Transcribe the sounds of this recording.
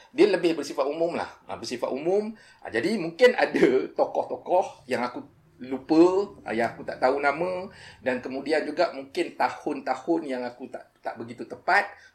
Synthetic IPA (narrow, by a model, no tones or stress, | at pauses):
dialəbɪhbərsifat̪ʔumʊ̃mla̰hə̰bərsifa̰ʔ̪umʊ̃m̰ | d͡ʒadimũŋkɪnadat̪okɔht̪okɔhjaŋaku | lupəə̰jaŋakut̪aʔt̪aunamə̃dankəmudiand͡ʒuɡaʔmuŋkɪnt̪ahʊnt̪ahʊnjaŋakut̪a̰ʔt̪aʔbəɡit̪ut̪əpat̪̚